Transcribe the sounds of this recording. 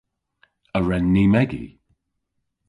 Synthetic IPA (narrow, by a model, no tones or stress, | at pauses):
əɹɛnːimɛɡḭ